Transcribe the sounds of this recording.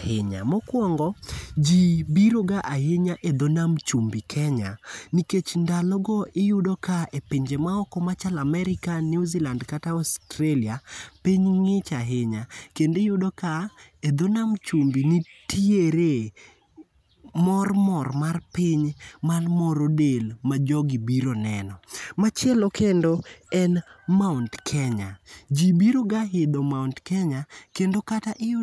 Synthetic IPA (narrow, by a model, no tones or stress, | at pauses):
hɪɲa̰mɔkwɔŋɡɔd͡ʒibiɾoɡaʔaɦeɲaʔed̪onamt͡ʃumbikʰɛɲa̰niket͡ʃndalɔɡɔʔɪjʊdɔkaepiɲd͡ʒemaɔkɔmat͡ʃalamɛɾɪkaniuzilandkataɔstɾeliapiɲŋɪt͡ʃaɦɪɲakendejʊdɔka | ed̪onamt͡ʃumbinitʰieɾe | mɔrmɔrmarpɪɲmalmɔɾodelmad͡ʒɔɡibiɾonɛnɔmat͡ʃjɛlɔkʰendoɛnmaʊntkʰɛɲad͡ʒibiɾoɡaɦɪd̪omaʊntkɛɲakendokataʔɪjʊ